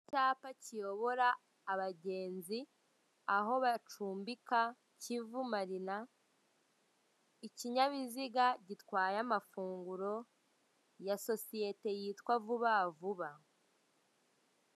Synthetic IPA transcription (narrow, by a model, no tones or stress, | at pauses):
icaːpacijo̞βo̞ɾaː | βaɟe̞ːnzi | aɦo̞βat͡ʃuːmbika | civumaɾina | iciɲaβiziɡaɟitkwaːjamafuːŋɡuɾo̞ | jaso̞sije̞te̞jiːtkwavuβavuβa